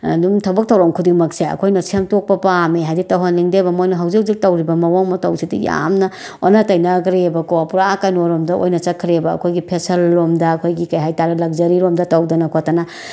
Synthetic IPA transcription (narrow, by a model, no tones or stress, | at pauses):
ɐ̰dumtʰɐbɐk̚tʰɐwɾɐmkʰudimɐkseɐ̰kʰojnɐsemtok̚pɐpameɦajditɐwɦɐnliŋdebɐmojnɐɦɐwzik̚zik̚tɐwɾibɐmɐwaŋmɐtɐwsidḭja̰mnɐ | o̰nɐtɐjnɐɡɾebɐkoapuɾaakɐjnoɾomdɐʔo̰jnɐt͡ʃɐkʰɾebɐ̰ːkʰojɡipʰesɐlːomdɐːkʰojɡikɐjɦajtaɾɐlɐk̚d͡ʒɐɾiɾomdɐtɐwdɐnɐkʰotɐnɐ